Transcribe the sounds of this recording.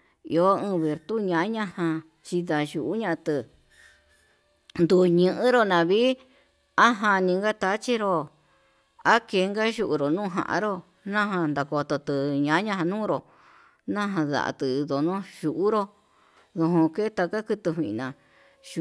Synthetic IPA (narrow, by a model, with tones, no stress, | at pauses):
ḭ˧o˦ɨ̃ː˧βe˨ɾt̪u˦ɲã˧˦ɲã˧hã˧ | t͡ʃi˧ða˧ʒu˨ʔu˦ɲã˦˧t̪ɨ˧ | nd̪u˧˨ɲɨ̃˧ʔɨ̃˦ɾo˧nã˧βi˦ | a˦ɦã˧nĩ˧ŋɡa˦t̪a˧˦t͡ʃi˦ɾo˧ | a˦ke˧˦˧ŋɡa˦ʒu˧ʔu˧ɾo˨nũː˦˧ɦã̰˧ʔã̰˧ɾo˦ | nã˦ɦã˧nd̪a˨ko˧t̪o˧t̪ɨ˧ɲã˨˦ɲã˧ɦã˧nũː˦˧ɾo˨ | nã˦ɦã˧ða̰˨ʔa̰˧t̪ɨ˨˧ðo˨nõ˦ʒu˧˨ʔu˦ɾo˧ | ðo˧ɦõ˧ke˦t̪a˧ka˦kɨ˧t̪ɨ˧ɦʷĩ˧ʔnã˨